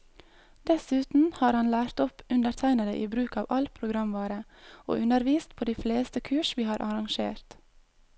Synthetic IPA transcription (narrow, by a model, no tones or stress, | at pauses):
d̪̥ɛsʉːt̪n̩hɑːɾhɑnlæːɾt̪ɔpʉnd̪əɾt̪ʰæɪnəd̪əʔiːbɾʉːkɑːʋʔɑlpʰɾʊɡɾɑmʋɑːɾəo̰ːʔʉnəɾʋiːst̪pʰoːd̪iːfleːst̪əkʰʉːʃʋiːhɑːɾʔɑɾɑŋʃḛːɾt̪